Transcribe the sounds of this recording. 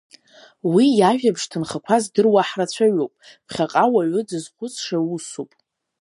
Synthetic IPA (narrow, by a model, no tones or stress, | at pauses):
wijaʒᶣabʐtʰɨnχakʷʰazdɨrwaħrat͡sʷʰaɥowpʼ | pʰχʲaqʼawaʕʷʊd͡zɨzχʷʊt͡sʰʼʂawusopʼ